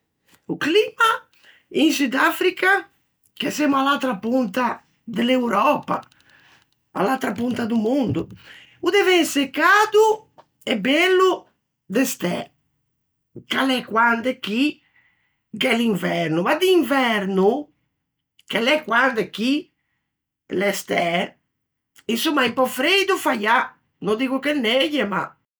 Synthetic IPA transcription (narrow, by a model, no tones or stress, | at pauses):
ukliːma | insud̪afɾika | kɛsemalalt̪ɾapunt̪a | d̪elewɾɔpa̰ | a̰lalt̪ɾapunt̪ad̪umund̪u | ud̪ɛvɛnsekːaːd̪u | ɛbɛlːu | d̪ɛst̪ɛ̰ | kalɛkwand̪ɛk̟i | kɛliɱvɛɾnumad̪iːɱvɛɾnu | kalɛkwand̪ɛk̟i | lɛst̪ɛ | insumːaimpɔfɾed̪ufaja | nɔd̪iːkukɛnːɛjɛma̰